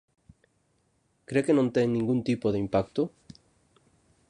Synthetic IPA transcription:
kɾeke̞nõ̞nt̪eŋnĩŋɡunt̪ipoð̞eimpakt̪o

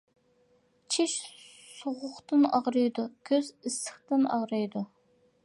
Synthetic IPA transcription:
t͡ʃʰiʃ | soʁʊχt̪ɨnɑʁɾɨjd̪ukʲʰøzɪsə̥χt̪ɨnɑ̰ʁɾɑjd̪u

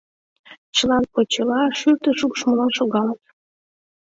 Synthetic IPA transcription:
t͡ɕəlɑnpot͡ɕəlɑʃyrt̪əʃuɣʃməlɑʃoɣɑlət̪

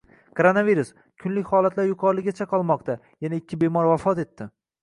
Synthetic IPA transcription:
kʰoɾonaviɾʊs | kʰʊnlɪkʲhɒlat̪laɾjʊqʰɒɾlɪɡʲat͡ʃʰaqʰɒlˠmɒqt̪ʰa | janaɪkʲʰːɪbe̞mɒɾvafɒt̪e̞t̪ːɪ

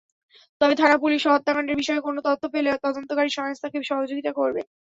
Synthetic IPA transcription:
t̪ɔbed̪ʱanapuliʃɔɦot̪ːakaɳɖeɾbiʃɔekonot̪ɔt̪ʰːopeleot̪ɔd̪ont̪okaɾiʃɔŋost̪ʰakeʃɔɦod͡ʑoɡit̪akoɾbḛ

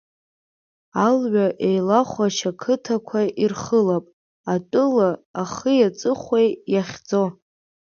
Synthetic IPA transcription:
alɥaʔejlaχʷaʃakʰɨtʰakʷʰairχəlapʼ | atʼɨlaːχəjat͡sʼɨχʷejjaχʲd͡zo̞

